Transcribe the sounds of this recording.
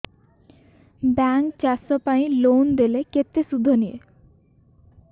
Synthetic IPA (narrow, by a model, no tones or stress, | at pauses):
baŋkt͡ʃasɔpaĩlownd̪eleket̪esud̪ʱːɔniḛ